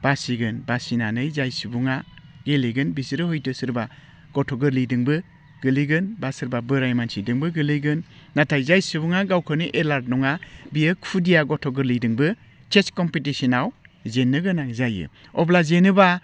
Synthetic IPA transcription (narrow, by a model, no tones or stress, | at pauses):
b̥asiɡɯnbasinanɯjzajsibuŋaɡeliɡɯnbisiɾɯhɔjtɯsɯɾba | ɡ̥ɔtʰɔɡɯɾlidɯŋbɯ | ɡ̥ɯliɡɯnbasɯɾbabɯɾajmansidɯŋbɯɡɯlɯɡɯnːatʰajzajsɯbuŋaɡawkʰɯniʔelaɾtnɔŋabijɯkpʰudijaɡɔtʰɔɡɯɾlijdɯŋbɯ | t͡ʃeskɔmpitisinawzenːɯɡɯnaŋzajɯ̰ | ɔblazenɯba